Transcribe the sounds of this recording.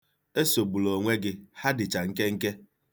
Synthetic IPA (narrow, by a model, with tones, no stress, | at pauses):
e˦so˨bu˨lo˨ŋʷe˦ɡɪ˦ha˦dɪ˨t͡ʃa˨ŋ̩˦ke˦ŋ̩˦ke˦